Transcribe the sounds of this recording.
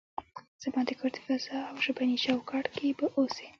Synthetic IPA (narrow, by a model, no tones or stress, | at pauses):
z̥amɑd̪əkoɾd̪i̥fazɑawʒabanit͡ʃawkɑʈkebaʔose̥